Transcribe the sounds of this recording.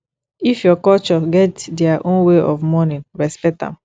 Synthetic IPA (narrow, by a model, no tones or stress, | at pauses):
ifjɔkɔlt͡ʃɔɡɛtdɛaʔõnweʔɔfmɔnĩnɹɛspɛk̚tã̰m